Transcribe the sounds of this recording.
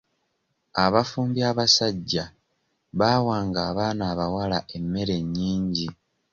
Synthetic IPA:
aβafuːmbiaβasaɟːa | βaːwaːŋɡaːβaːnaːβawalaʔe̞mːe̞ɾe̞ɲːiːɲɟi

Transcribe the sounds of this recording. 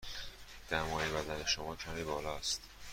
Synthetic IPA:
d̪̥æmɒːjebæd̪æne̞ʃo̞mɒːcʰæmiːbɒːlɒæst̪

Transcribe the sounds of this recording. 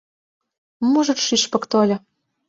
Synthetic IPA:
muʒɤ̆t̪ʃiʃpɤ̆kt̪olʲɤ̆

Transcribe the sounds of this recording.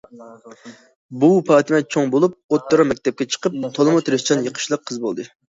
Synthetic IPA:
bupɑːt̪ʰɨmɛt͡ʃʰoŋbolˠup̚ot̪ːoɾɑmɛk̚ʲt̪ʰɛp̚kʲɛt͡ʃʰə̥qəp̚t̪ʰolˠɨmɑt̪ʰɾɪst͡ʃʰɑnjəqʰə̥ʃlˠəqʰːəzbolˠd̪ɨ

